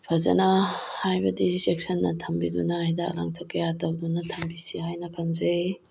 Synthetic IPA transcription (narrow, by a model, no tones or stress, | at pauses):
pʰɐzɐ̰nɐhajbɐdisek̚sɐnːɐtʰɐmbidunɐjdakla̰ŋtʰɐkʰːɐjatɐwdunɐtʰɐmbisihajnɐkʰɐnzej